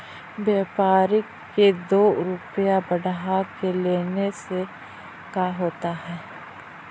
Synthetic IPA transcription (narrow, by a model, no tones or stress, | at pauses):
bjeːpaːɾɪkː | ed̪oːɾʊpjabəɽɦakeleːnese | kaɦoːt̪aɦɛː